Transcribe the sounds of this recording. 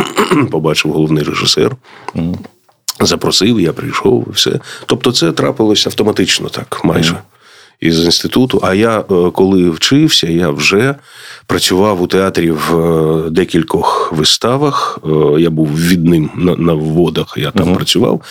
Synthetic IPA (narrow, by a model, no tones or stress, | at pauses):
pɔbɑt͡ʃɪwɦɔlˠɔʋwnɪjreʒɪsɛ̰r | zɐpɾɔsɪwjapɾɪjʃɔ̰wḭwsɛ̰t̪ɔp̚t̪ɔt̪sɛt̪ɾɑpɪlˠɔsʲɐwt̪ɔmɐt̪ɪt͡ʃnɔ̰t̪ɑkmɑ̰jʒɛ | izinst̪ɪt̪ut̪ʊʔɐjakɔlˠɪwt͡ʃɪwsʲɐjawʒɛpɾɐt͡sʲʊʋɑwʊt̪eat̪ɾʲiwd̪ɛkʲilʲkɔxʋɪst̪ɑʋɐxjabuwʋʲid̪nɪmnɐnɐwːɔd̪ɐxja̰t̪ampɾɐt͡sʲʊʋɑ̰w